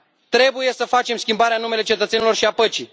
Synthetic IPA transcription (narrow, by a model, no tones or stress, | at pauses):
t̪ɾe̞buje̞səfat͡ʃe̞mskʲimbaɾeanume̞le̞t͡ʃe̞t̪ət̪se̞nilo̞rʃiapət͡ʃi